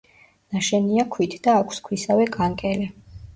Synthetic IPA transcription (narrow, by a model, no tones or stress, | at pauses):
naʃɛniakʰwit̪ʰd̪aːkʷʰskʰwisavɛkʼaŋkʼɛli